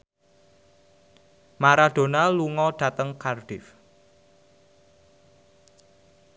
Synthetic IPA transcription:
maɾad̥o̤naluŋɔɖ̥ä̤t̪əŋkarɖ̥ɪf

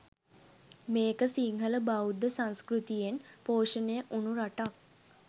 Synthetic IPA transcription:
meːkəsiŋɦələbaud̪ːəsãnskɾut̪ijenpoːʃənejəʔunuɾaʈak

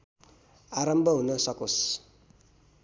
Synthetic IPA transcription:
aɾʌmbʱʌɦunʌsʌkos

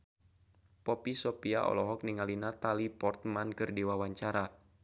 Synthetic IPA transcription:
pɔpisɔpia̰ʔɔ̰lɔɦɔk̚niŋalinat̪alipɔrt̪̚mankɨrdiwawaɲt͡ʃaɾa

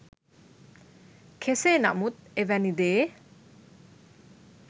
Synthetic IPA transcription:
kʰesena̰ʔmut̪̚evanid̪e

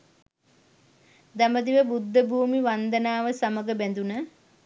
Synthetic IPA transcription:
d̪aməd̪iʋəbud̪ːəbʱuːmiʋand̪ənaːʋəsaməɡəbænd̪unə

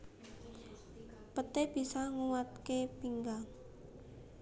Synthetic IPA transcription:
pət̪eb̥i̤saŋuwat̪̚kepiŋɡaŋ

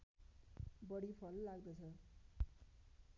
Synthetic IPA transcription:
bʌɽipʰʌlːaɡd̪ʌt͡sʰʌ

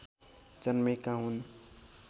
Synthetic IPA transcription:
t͡ʃənmekaɦun

